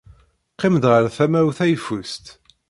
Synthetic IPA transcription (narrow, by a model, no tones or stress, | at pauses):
qːɪmd̪ʁəɾθæmæwθæjfust̪